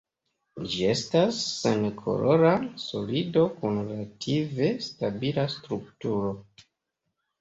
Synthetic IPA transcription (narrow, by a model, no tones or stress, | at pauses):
d͡ʒie̞stasːenkʰo̞̰lʔo̞ɾaso̞̰lido̞kunɾatʰive̞stabilastɾuktuɾo̞